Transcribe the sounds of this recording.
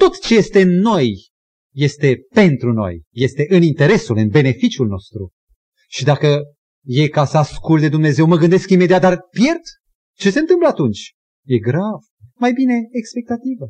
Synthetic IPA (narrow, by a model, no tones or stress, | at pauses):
t̪o̞t̪t͡ʃe̞je̞st̪e̞ɨnːo̞jː | e̞st̪e̞pe̞nt̪ɾuno̞̰jːe̞st̪e̞ʔɨnint̪e̞ɾe̞sulɨnbe̞ne̞fit͡ʃjulno̞̰st̪ɾu | ʃid̪akə | je̞kasəaskultd̪e̞d̪umne̞ze̞wməɡɨnd̪e̞skime̞d̪iat̪̚d̪arpje̞rd̪̥ | t͡ʃe̞se̞nt̪ɨmpləat̪unt͡ʃʲ | je̞ɡɾav | majbine̞ːkspe̞k̚t̪at̪ivə